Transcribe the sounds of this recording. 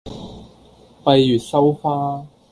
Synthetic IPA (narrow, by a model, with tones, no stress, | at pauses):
pɐ˧jjyː˨˩t̚sɐ˥wfaː˥